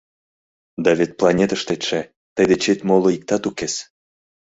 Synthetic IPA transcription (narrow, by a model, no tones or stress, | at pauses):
d̪ɑβet̪̚plˠɑnʲet̪əʃt̪et̪ʃe | t̪əjd̪et͡ɕet̪moloik̚t̪ɑt̪ukes